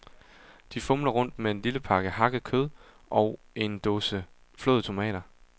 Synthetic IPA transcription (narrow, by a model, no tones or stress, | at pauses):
d̥ifɔmlɐʁɔ̽n̰d̥mee̝nliləpʰɑ̈ɡ̥əhɑ̈ɡ̥əð̩ˠkʰøð̞ˠ | ʔɒ̽ʊe̝nd̥osə | flo̰ːðˠt͡sʰo̝mɛ̰ːɾ̥ɐ